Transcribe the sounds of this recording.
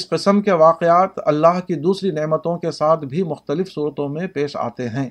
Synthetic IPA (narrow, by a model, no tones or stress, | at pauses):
sqɪsəmkeʋaːqeaːt̪ɐ̰lːaːɦkid̪uːsɾinɪʕmət̪õkesaːt̪ʰbʱimʊxt̪əlɪfsuːɾət̪õmẽpeːʃa̰ːt̪eɦɛ̃ː